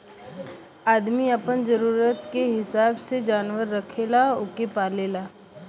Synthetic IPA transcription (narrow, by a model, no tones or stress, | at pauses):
aːd̪miɐpənzəɾuːɾət̪keɦɪsaːbsed͡ʒaːnʋəɾːɐkʰeːlaʊkepaːleːlaː